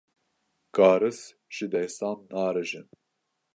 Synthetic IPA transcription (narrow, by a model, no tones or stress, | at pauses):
kɑːɾɨs | ʒ̥ɨd̪ɛsɑːnːɑːɾɨʒɨn